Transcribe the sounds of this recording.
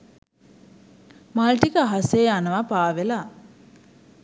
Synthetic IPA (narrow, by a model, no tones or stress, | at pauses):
malʈikəaɦaseːanəʋapaːʋela